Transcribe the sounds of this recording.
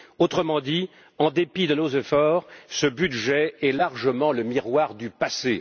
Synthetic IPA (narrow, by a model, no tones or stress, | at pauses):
ot̪χəmɑ̃d̪i | ɑ̃d̪epid̪ənozefɔːʁsəbyd̪ʒɛɛlaʁʒəmɑ̃ləmiʁwaʁd̪ypase